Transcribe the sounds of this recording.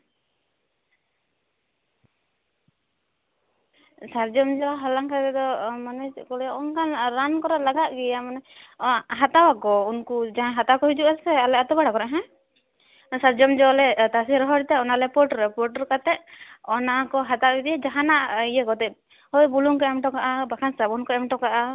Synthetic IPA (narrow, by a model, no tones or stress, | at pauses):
saɾd͡ʒɔmd͡ʒɔɦalaŋkat̪ɛd̪ɔmanakɔlaʔɔnkanɾankɔɾalaɡaʔɡɛjamana | ɦat̪awakɔunkud͡ʒaɦãɦat̪awakɔɦid͡ʒuʔasɛalɛat̪ɔbaɽakɔɾɛʔɦɛ̃ | saɾd͡ʒɔmd͡ʒɔlɛt̪asiɾɔɦɔɾt̪ɛɔnalɛpɔɾʈɾɛpɔɾʈɔɾkat̪ɛʔɔnakɔɦat̪aɡid̪ijad͡ʒaɦanaʔijakɔt̪ɛʔ | hɔjbuluŋkɔɛmʈɔkaʔabakʰansabɔnkɔɛmʈɔkaʔa